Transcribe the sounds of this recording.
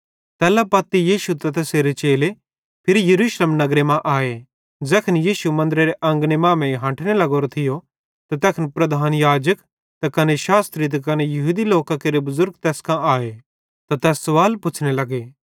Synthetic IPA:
t̪ɛːlapɐt̪ːijiːʃut̪ɐt̪ɐseɾet͡ʃeːle | pʰɪɾijɐɾuːʃleːmnɐɡɾemãʔaːe | d͡ʒɛːkʰənjiːʃumɐ̃nd̪əɾeɾeʔɐ̃ŋɡnemãːmẽɦɐ̃ːʈʰnelɐɡoːɾot̪ʰɪjo | t̪at̪ɛːkʰnpɾɐd̪ʱaːnjaːd͡ʒək | t̪akɐneʃaːst̪ɾit̪̬ɐkɐnejɐɦuːd̪iloːkakeɾebʊzʊɾɡ̚t̪ɛːskãaːe | t̪at̪ɛːsːɐʋaːlpʊt͡ʃʰnelɐɡeː

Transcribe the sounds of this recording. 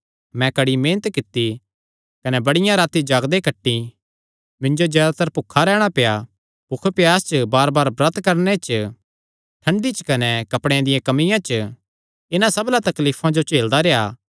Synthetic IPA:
mɛ̃kɐɽimẽːnət̪kɪt̪ːi | kɐnɛbɐɽɪjãɾaːt̪id͡ʒaːɡd̪ekɐʈːi | mɪ̃nd͡ʒod͡ʒɛːd̪at̪ɐɾpʊkʰːaɾɛːɽ̃apeja | pʊkʰpɪjaːst͡ʃəbaːɾbaːɾbɾɐt̪kɐɾnet͡ʃ | ʈʰɐ̃ɳɖit͡ʃkɐnɛkɐpɽ̃eãd̪ɪjãkɐmɪjãt͡ʃ | ɪnãsɐblat̪ɐkliːpʰãd͡ʒot͡ʃeːld̪aɾejaː

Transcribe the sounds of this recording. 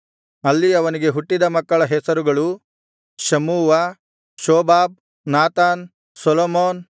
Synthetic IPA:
ɐlːiɐʋɐniɡe̞ɦuʈːid̪ɐmɐkːɐɭɐɦɛsɐɾuɡɐɭu | ʃɐmuːʋɐ | ʃɔːbaːb̚ | naːt̪aːn | sɔlomoːn

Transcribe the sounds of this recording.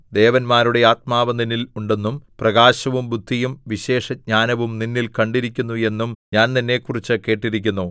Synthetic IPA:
d̪e̞ːʋɐnmaːɾuɽe̞aːt̪̚maːʋɐniniluɳɖe̞nːumprɐɡaːɕɐʋumbud̪ʱːijumʋiɕe̞ːʂɐɲaːnɐʋumninːilkɐɳɖiɾikʲːunːue̞nːumɲaːnninːe̞kːurit͡ɕːɨke̞ːʈːiɾikʲːunːu

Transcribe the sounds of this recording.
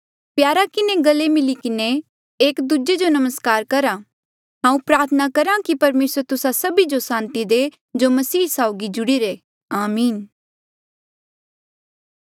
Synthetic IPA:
pjaːɾakɪneɡɐlːemɪlikɪne | eːkd̪ud͡ʒed͡ʒonɐməskaːɾkɐɾã | ɦãːũpɾaːɾt̪ʰənakɐɾãkipɐɾmeːsəɾt̪ʊsasɐbid͡ʒosãːnt̪id̪e | d͡ʒomɐsiːsaoʊɡid͡ʒʊɽiːɾe | aːmiːn

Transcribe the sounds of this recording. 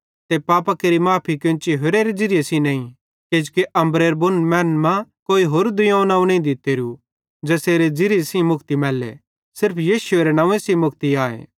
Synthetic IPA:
t̪epaːpakeɾimaːpʰikɪ̃t͡ʃiɦoɾeɾed͡ʒɪɾɪjesĩnɐ̃ːĩ | keːd͡ʒkiʔɐ̃mbɾeːɾbʊnmɛːnmãkoːiɦoːɾd̪ʊjãːnaːũnɐ̃ĩd̪ɪt̪eɾu | d͡ʒɐseːɾed͡ʒɪɾɪesĩmʊkt̪imɛːlḛ | sɪɾpʰjiːsʊeːɾenãːẽsĩmʊkʰt̪iaːḛː

